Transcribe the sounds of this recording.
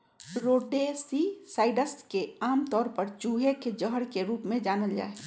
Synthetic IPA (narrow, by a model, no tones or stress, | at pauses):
ɾoːɖesisaːɪɖəskeaːmt̪ɔːɾpəɾt͡ʃuːɦeked͡ʒəɦəɾkeɾuːpmẽd͡ʒaːnəld͡ʒa̰ːe